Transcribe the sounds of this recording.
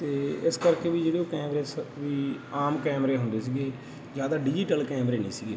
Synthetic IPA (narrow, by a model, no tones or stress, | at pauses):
t̪eːɪskəɾkeːʋiːd͡ʒeːɽeoːkɛːmɾeːsʋiːaːmkɛːmɾeːɦʊnd̪eːsiːɡeː | d͡ʒjaːd̪aːɖɪd͡ʒiːʈəlkɛːmɾeːnḛːsiːɡeː